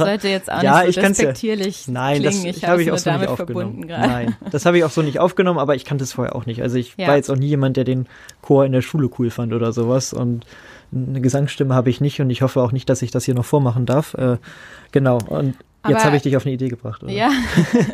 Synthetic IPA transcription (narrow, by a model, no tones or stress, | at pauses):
ɔtjɛt͡sa̰jaːɪçkkansjatʰiːɐlɪçnaɪnahaːbəɪçaʊsz̥oːnɪtʔaʊfɐɡənʊɔnmn̩ɡanːaɪnd̥ashaːbəɪçaʊxz̥oːnɪçtʔa̰ʊfɡ̥ənɔmənaːbɐɪçkʰantəsfoːɐḛɐʔaʊxnɪçtʔa̰lzoɪçvaːɐjɛt͡staʊxniːjeːmant̚d̥eːɐdeːn | kʰoːɐɪndeːɐʃuːləkʰuːlfantʔoːdɐzoːvasʊ̰nt | nəɡəzaŋsʃtɪməhaːbəɪçnɪçtʊntɪçhɔfəaʊxnɪçtd̥asɪçd̥ashiːɐnɔχfoːɐmaχn̩daɐfʔɛːɡ̥ənaʊʔʊ̰nt | jɛtthaːbəɪçd̥ɪçaʊfnəideːɡəbʁaχtʔo̰